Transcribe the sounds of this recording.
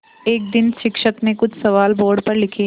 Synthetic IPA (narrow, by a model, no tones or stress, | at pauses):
eːk̚d̪ɪnʃɪkʃət̪mẽkʊt͡ʃʰsɐʋaːlboːɾɖpɐɾlɪkʰe